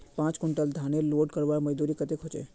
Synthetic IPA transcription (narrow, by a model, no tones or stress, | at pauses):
pãːt͡ʃkʊɳʈəld̪ʱaneloːɖkəɾʋaɾməd͡ʒd̪uɾikət̪ekɦot͡ʃḛ